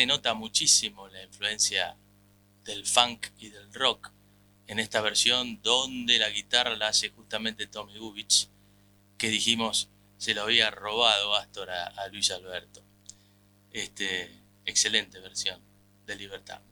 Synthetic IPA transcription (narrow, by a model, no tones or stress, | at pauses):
eno̞t̪amut͡ʃisimo̞laiɱfluẽ̞nsja̰ | ðe̞lfaŋkiðe̞lrok | enest̪aβ̞eɾsjo̞nd̪o̞nd̪elaɣit̪aralaase̞xust̪ament̪e̞t̪o̞miɣuβit͡ʃ | keðiximo̞sː | e̞loaβ̞iaro̞β̞að̞o̞ast̪oɾaalwisalβɛɾt̪o | est̪eː | kselent̪e̞βeɾsjo̞n | d̪eliβeɾt̪a̰ŋ